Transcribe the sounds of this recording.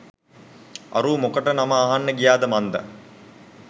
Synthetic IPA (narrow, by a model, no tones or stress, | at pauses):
a̰ɾuːmokəʈənamaːɦanːəɡijaːd̪əmand̪ə̰